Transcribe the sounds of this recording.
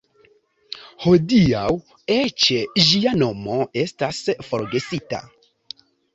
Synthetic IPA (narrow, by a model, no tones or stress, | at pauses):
hodiaw | et͡ʃed͡ʒiano̞moe̞stasfoɾɡe̞sita̰